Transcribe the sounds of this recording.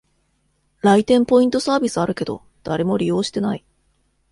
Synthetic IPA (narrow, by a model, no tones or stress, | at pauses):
ɾait̪ẽ̞mpo̞ĩnt̪o̞saːbʲisɨaɾɯ̟ke̞d̪o̞̰ | d̪̥aɾe̞mo̞ɾʲijo̞ːɕi̥t̪e̞nai